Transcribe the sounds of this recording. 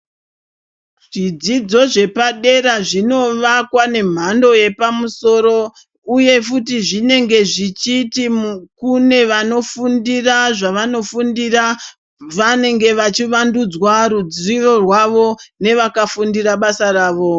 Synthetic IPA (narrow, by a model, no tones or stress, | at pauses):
ʐ̥id͡zid͡zo̞ʐe̞paɗe̞ɾaʐino̞ʋakwane̞m̤ando̞je̞pamuso̞ɾo̞ | uje̞futiʐine̞ŋɡe̞ʐit͡ʃitikune̞ʋano̞fundiraʐaʋano̞fundira | ʋane̞ŋɡe̞ʋat͡ʃiʋandud͡zwaɾud͡zriro̞rwaʋo̞ne̞ʋakafundiɾaɓasaraːʋo̞